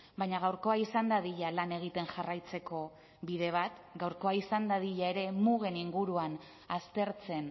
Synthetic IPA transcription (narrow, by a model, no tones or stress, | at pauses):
bajɲaɣawɾko̞aisand̪aðiʎalane̞ɣ̞it̪e̞nʝarajt͡se̞ko̞ | βiðe̞β̞at̪ɡawɾko̞aisand̪aðiʎae̞ɾe̞muɣe̞niŋɡuɾuan | ast̪e̞ɾt͡se̞n